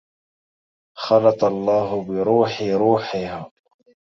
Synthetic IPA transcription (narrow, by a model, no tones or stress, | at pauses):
xɑlɑt̪ɑlˤːɑːɦʊbɪɾuːħɪɾuːħɪɦaː